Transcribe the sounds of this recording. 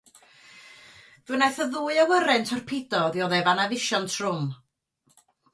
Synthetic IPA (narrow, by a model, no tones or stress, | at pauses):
ð̥wɨnaθəðuːɨawəɾɛntʰɔrpʰɪdɔðjɔðɛvanavɪʃɔntʰrʊm